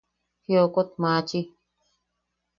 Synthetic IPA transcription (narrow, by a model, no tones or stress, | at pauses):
hjokot̪mãːt͡ʃi